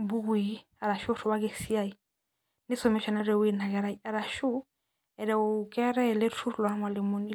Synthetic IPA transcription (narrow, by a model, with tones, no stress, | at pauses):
bu˦ɡi˨˦ | a˨ɾa˨ʃu˦ɾɔ˨wa˦ɡɛ˨si˦a˦i˨ | ni˦sɔ˨mɛ˦ʃa˨na˦ɾɛ˨wi˦na˨ɡa˨ɾa˨ia˨ɾa˨ʃu˦ | ɛ˨ɾɛ˨ukɛ˦ɾɛ˦lɛ˦ɾtu˦ɾla˨˦ma˨lɛ˨mo˨ni˦